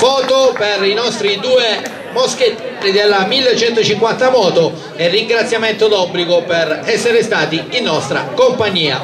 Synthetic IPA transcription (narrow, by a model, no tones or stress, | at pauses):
fɔːt̪operinɔst̪ɾid̪uːe | moskeid̪elːamilːet͡ʃɛnt̪ot͡ʃiŋkwant̪amɔːt̪o | ɛrːiŋɡɾat̪sːjamɛnt̪od̪ɔbːliɡoperɛsːeɾɪst̪aːt̪iinːɔst̪ɾa̰kompaɲːiːa̰